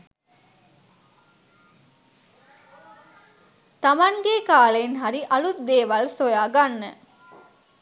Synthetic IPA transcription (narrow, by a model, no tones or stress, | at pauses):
t̪ɐmɐŋɡekaːlejenɦɐɾiʔɐlut̪d̪eːʋalsojaːɡanːə̰